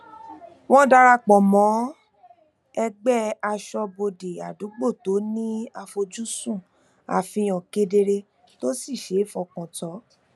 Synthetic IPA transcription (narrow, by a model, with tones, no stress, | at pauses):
wɔ̃˦da˧ɾa˧k͡pɔ̃˨mɔ̃˨˦ | ɛ˧ɡ͡bɛ˦a˧ʃɔ˧bo˧˨de˨a˨du˨˦ɡ͡bo˦˨to˨˦nĩ˦a˧fo˧d͡ʒu˦sũ˦˨ | a̰˨fĩ˧j̃ɔ̃˨ke˧de˧ɾe˧ | to˦si˦˨ʃe˨˦fɔ˧kɔ̃˨tɔ˨˦